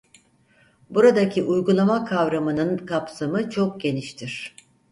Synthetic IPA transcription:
buɾad̪acʰiʔujɡulˠamakʰavɾamɯnɯnkʰapsamɯt͡ʃʰo̞k̚ɟe̞niʃt̪ʰiɾ̝̥

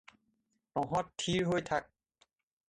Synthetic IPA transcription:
nɔɦɔttʰːiɹɦojtʰak̚

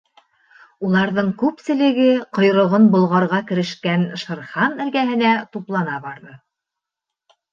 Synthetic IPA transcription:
ulˠɑɾðɤɴkʉpsɘ̆lɘ̆ɡɘqŏjɾɤ̆ʁɤnbŏlˠʁɑɾʁɑkɘ̆ɾɘ̆ʃkænʃɤ̆ɾχɑnɘ̆lɡæɦɘ̆næt̪uplˠɑnɑβɑɾðɤ

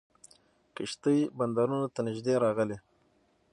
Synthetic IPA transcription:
kɪʃt̪əjband̪aɾunat̪anɪʒd̪eɾɑɣəle

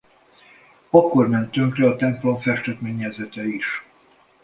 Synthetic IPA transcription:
ɒkːo̞rmɛnt̪øŋkrɛɒt̪ɛmplo̞ɱfɛʃt̪ɛt̪meːɲːɛzɛt̪ɛiʃ

